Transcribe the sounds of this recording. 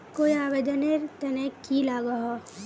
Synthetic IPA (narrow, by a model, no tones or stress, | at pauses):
koːiaːʋeːd̪əneɾt̪ɐnekilaːɡaɦa